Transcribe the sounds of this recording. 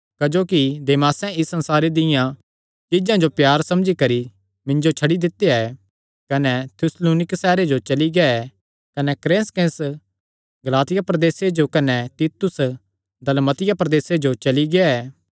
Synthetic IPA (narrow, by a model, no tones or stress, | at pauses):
kɐd͡ʒoːkid̪eːmaːsɛ̃ɪsːɐ̃nsaːɾed̪ɪjã | t͡ʃɪd͡ʒãd͡ʒopjaːɾsɐmd͡ʒikɐɾi | mɪ̃nd͡ʒot͡ʃʰɐɽid̪ɪt̪ːeɛ | kɐnɛt̪ʰjʊsluːnɪksɛːɾed͡ʒot͡ʃɐliɡɛɛ | kɐnɛkɾẽːnskẽs | ɡɐlaːt̪ɪjapɾɐd̪eːsed͡ʒokɐnɛt̪iːt̪ʊs | d̪ɐlmɐt̪ɪjapɾɐd̪eːsed͡ʒot͡ʃɐliɡɛɛː